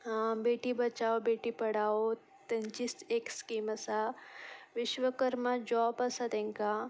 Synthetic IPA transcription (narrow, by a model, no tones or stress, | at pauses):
beːʈibɐt͡ʃaːobeːʈipɐɽaːo | t̪ent͡ʃisekskiːmɐsa | ʋɪʃʋəkəɾmad͡ʒɔːbɐsat̪ẽŋka